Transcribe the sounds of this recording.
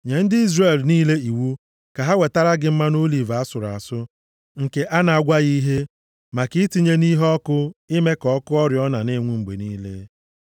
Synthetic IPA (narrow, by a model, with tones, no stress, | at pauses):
ɲe˨n̩˦dɪ˦i˦zre˨lniː˦le˦i˨wu˦ | ka˨ɦa˦we˨ta˦ɾa˦ɡɪ˦m̩˦ma˦no˦li˨va˨a˦sʊ˨ɾa̰˨sʊ˦ | ŋ̩˨ke˨ʔa˦na˨a˨ɡʷa˦ɣi˦ɦe˦ | ma˨kɪ˦ti˦ɲe˦ni˦ɦɔ˦kʊ˦ɪ˦me˦kɔ˦kʊ˦ɔ˦ɾjɔ˦na˨nɪ˦ŋʷu˦ŋ͡m̩˨ɡ͡bḛ˨niː˦lḛ˦